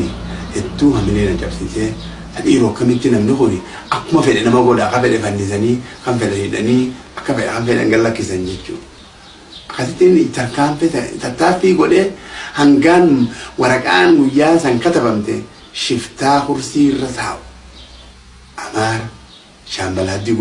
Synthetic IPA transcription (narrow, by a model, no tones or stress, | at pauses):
ɪhɛt̪ːuːhɐmːɪneːnɐt͡ʃʼɐbsɪse | ɐɗiːɾʊɐkːɐmɪt̪ːɪnɐmnɪkʊnɪ | ʔɐkːʊmɐfɛɗɛnɐmɐɡɔɗakːɐfɛɗɛfɐnːɪs̬ɐnikɐnfɛɗɛhɪᶑɐni | ɐkːɐfɛɗɛ̰kɐnfɛɗɐ̰ŋɡɐlːɐkːɪsɐnd͡ʒɛt͡ʃːṵːᶑ | ɐkːɐsɪt̪ːint̪ɐkanfɛtt̪ɐt̪ːaːfiɡɔɗehɐŋɡaːnwɐɾɐkʼaːnɡʊjːaːs̬ɐŋkɐt̪ɐbɐmt̪ɛ | ʃɪft̪aːxʊɾsiːrːɐsaːʔ | ʔɐmaːɾ | ʃaːmbɐlad̪ɪɡ